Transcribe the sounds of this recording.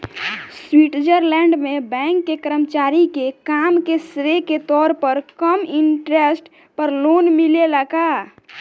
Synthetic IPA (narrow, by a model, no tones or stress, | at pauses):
swiʈd͡ʒəɾlɛ̃ɳɖmẽbɛ̃ːŋkːekəɾəmt͡ʃaːɾikekamkesɾeket̪ɔːɾpəɾkəmɪɳʈɾesʈ | pəɾloːnmileləɡa